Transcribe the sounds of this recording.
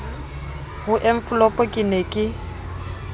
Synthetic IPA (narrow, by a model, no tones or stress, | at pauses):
hʊʔeɱ̩fʊlɔpʼɔkʼɪnekʼɪ